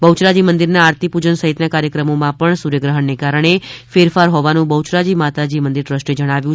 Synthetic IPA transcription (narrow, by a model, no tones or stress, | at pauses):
bəwt͡ʃɾad͡ʒimənd̪iɾnaaɾt̪ʰipud͡ʒənsəɦit̪nakaɾjəkɾəmomãpəɳsuɾjəɡɾəɦəɳːekaɾəɳ̃efeɾfaɾɦoʋanũbəwt͡ʃɾad͡ʒimat̪ad͡ʒimənd̪iɾʈɾəsʃʈed͡ʒəɽ̃aʋjũ